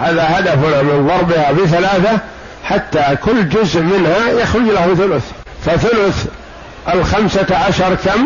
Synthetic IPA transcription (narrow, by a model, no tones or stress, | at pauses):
haðahad̪afnamɪnðˤɑɾˤbɪhabɪθalaːθa | ħat̪ːakʊlːd͡ʒʊzʔmɪnhajaxɾʊd͡ʒlahθʊlʊθ | faθʊlʊθ | ʔalxamsaʕaʃɑɾˤkam